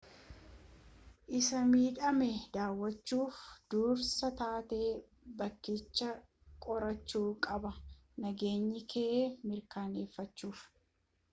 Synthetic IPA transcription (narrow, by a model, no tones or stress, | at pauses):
ʔɪsɐmiːᶑɐmɛd̪aːwːɐt͡ʃːuːfd̪̥uːɾsɐt̪aːt̪e̞ː | bɐkːɪt͡ʃːɐ | kʼɔɾɐt͡ʃːuːkʼɐbɐnɐɡe̞ːɲːɪkʰeːmɪɾkaːne̞ːfːɐt͡ʃːuːf